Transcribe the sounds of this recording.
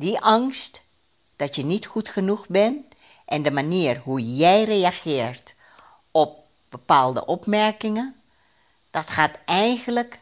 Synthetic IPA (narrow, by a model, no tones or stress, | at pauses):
diʔɑŋst | d̥ɑtjənitxutχənuxbɛn | ʔɛndəmaniːərhujɛjrejaxɪːɹt | ɔp̚ | b̥əpaːlˠdə̰ʔɔpmɛɹkɪŋə | d̥ɔtxaːtɛjɣələk